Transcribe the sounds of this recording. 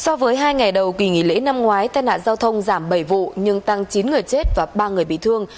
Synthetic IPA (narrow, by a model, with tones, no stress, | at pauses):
sɔ˧vəː˨˦jɦaː˧jŋa˨˩jɗə˨˩wkwi˧˩ŋḭ˧˩˨lḛ˧˥na˧mŋwaː˨˦jt̪aː˧jna̰ː˧˨zaː˧wt̪ʰə˧wŋ͡mzaː˧˩mɓə˧˩jvṵ˧˨ɲɨ˧ŋt̪a˧ŋt͡ɕi˨˦nŋɨ˨˩əjt͡ɕe˦˥t̚vaː˨˩ɓaː˧ŋɨ˨˩əjɓḭ˧˨t̪ʰɨ˧əŋ